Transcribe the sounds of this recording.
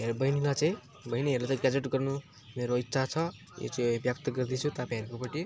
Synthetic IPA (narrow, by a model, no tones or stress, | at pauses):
ɦeɾbʌjnilat͡saĩ | bʌjniɦeɾlat͡sãɡad͡zeʈɡʌrnu | meɾoit̪ːsʰat͡sʰʌ | jo̰t͡saĩbjʌp̚t̪ʌɡʌrd̪it͡sʰut̪apãjʌɾkopʌʈi